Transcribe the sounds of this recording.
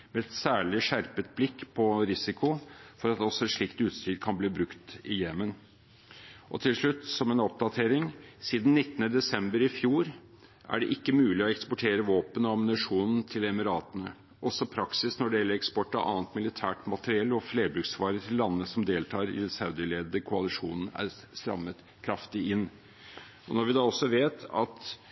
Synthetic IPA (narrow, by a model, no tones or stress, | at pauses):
mɛɛt̪sæːɭɪʂæɾpət̪̚blɪkːpʰɔɾɪsɪkʰʊfɔɾɑt̪d̪ɛɔsːɔɛt̪ʂɭɪkt̪ʉːt̪st̪ɾiːd̪̚kʰɑnbliːbɾʉkt̪ɪjɛmən | ʔɔ̰t̪ʰɪlʂɭʉt̪ːsɔmɛnɔp̚d̪ɑt̪ʰeːɾɪŋsiːd̪n̩ːɪt̪ːənəd̪ɛsɛmbəɾɪfjuːɾ | ʔæ̰ɖɛʔɪkːəmʉːlɪɔɛkspɔʈʰeːɾəʋoːpənɔɑmnɪʂuːnn̩t̪ʰɪlɛmɪɾɑːt̪ənə | ʔɔsɔpʰɾɑksɪsnɔɖɛjɛlːəɾɛkspɔʈːɑʔɑ̰ːnət̪mɪlɪt̪ʰæːʈmɑt̪əɾɪɛlːɔfleːbɾʉksʋɑːɾət̪ʰɪlːɑnːəsɔmd̪eːlt̪ʰɑːɾɪ̰d̪ɛnsɑʉd̪ɪəleːd̪d̪əkʰʊɑlɪʂuːnn̩æ̰ɾ | st̪ɾɑ̰mːət̪ | kʰɾɑft̪ɪɪnː | ɔnɔɾʋɪd̪ɑːɔsɔʋeːt̪ɑ̰t̪